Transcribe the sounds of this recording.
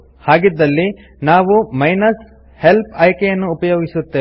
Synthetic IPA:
haːɡid̪ːɐlːi | naːʋumɐjnɐs | helpʰɐjkɛjɐnːuːpɐjo̞ːɡisut̪ːeː

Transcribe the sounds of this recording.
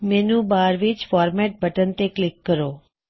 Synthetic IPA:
menũbaɾʋit͡ʃfɔɾmɛʈ̚bʱəʈənt̪eklɪkːəɾo

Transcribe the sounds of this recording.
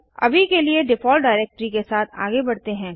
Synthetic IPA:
ɐ̰bʱikelieɖɪfɔːlɖaːɪɾeːk̚ʈəɾikesaːt̪ʰa̰ːɡebɐɽt̪eɦɛ̃ː

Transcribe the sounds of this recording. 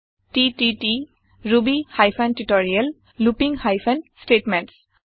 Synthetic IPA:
ʈitiʈi | ɹubihajpʰantuʈɔɹiəl | lupiŋhajpʰənsʈeʈmenʈs

